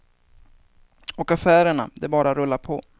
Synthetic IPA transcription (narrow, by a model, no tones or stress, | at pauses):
ɔkafæːɾəɳa̰d̪ɛbɑːɾaɾɵlːaɾpʰɔ